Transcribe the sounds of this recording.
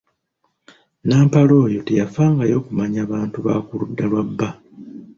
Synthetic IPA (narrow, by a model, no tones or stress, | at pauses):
naːmpalo̞ːjo̞te̞jafaːŋɡajo̞ːkumaɲaːβaːntuβa̰kuludːalwabːa